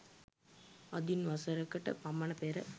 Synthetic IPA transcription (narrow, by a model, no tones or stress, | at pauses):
ɐd̪inʋɐsɐɾɐkːɐʈːɐ̰pɐmːɐnɐpeːɾɐ